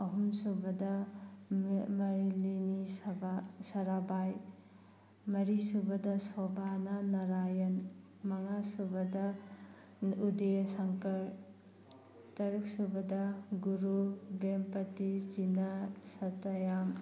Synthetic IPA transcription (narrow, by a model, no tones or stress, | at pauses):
ɐɦumsubɐdɐ | mɐɾilinisbasɐɾabaj | mɐɾisubɐdɐsɔbanɐnɐɾajɐn | mɐŋasubɐdɐ | udesaŋkɐɾ | tɐɾuk̚subɐdɐɡuɾubempɐtizinasɐtɐjam